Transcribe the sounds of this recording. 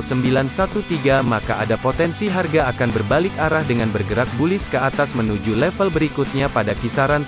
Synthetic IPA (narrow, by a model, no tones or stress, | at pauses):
səmbilansat̪ut̪iɡamakaadapot̪ɛnsiɦarɡaːkanbərbalɪkaɾahdəŋanbərɡəɾak̚bulɪskəat̪asmənud͡ʒulɛfəlbəɾikut̪̚ɲapadakisaɾan